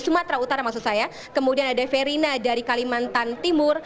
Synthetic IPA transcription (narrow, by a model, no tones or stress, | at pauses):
sumat̪ɾaut̪aɾamaksʊk̪̚saja | kəmudianadafeɾinadaɾikalimant̪ant̪imʊr